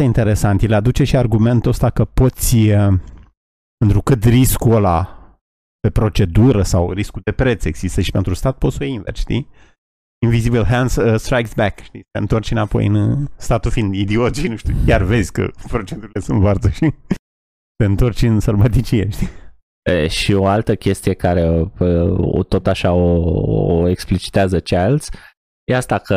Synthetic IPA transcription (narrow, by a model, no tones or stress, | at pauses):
eint̪e̞ɾe̞sant̪jelad̪ut͡ʃe̞ʃiarɡume̞nt̪ost̪akəpo̞t̪sʲ | pent̪ɾukɨt̪riskuola̰ | pe̞pɾo̞t͡ʃe̞d̪uɾəsawɾiskud̪e̞pɾe̞t̪se̞ɡz̥ist̪əʃi̥pe̞nt̪ɾust̪at̪̚po̞t̪sojeinvḛrt͡ʃʃt̪ḭ | invizibilɦansəst̪ɾajksbɛkʃt̪it̪eɨnt̪o̞rt͡ʃɨnapo̞̰jɨ̰nst̪at̪ufind̪id̪iod͡ʒinuʃt̪ṵkʲarve̞zʲkə̰pɾo̞t͡ʃent̪uɾile̞sunt̪vart̪əʃi | seɨnt̪o̞rt͡ʃʲɨnserbat̪it͡ʃijeʃt̪i | eʃioalt̪əkʲe̞st̪ijekaɾe̞ | o̰t̪o̞t̪aʃaooeksplit͡ʃi̥t̪eazət͡ʃealt̪sʲ | jeast̪akə